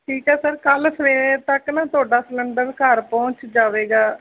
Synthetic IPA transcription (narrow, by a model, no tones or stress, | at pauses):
ʈʰiːkɛːsəɾkəlsəʋeːt̪əknãːt̪ʊaːɖaːsələɳɖəɾkəɾpɔ̃ːt͡ʃd͡ʒaːʋeːɡaː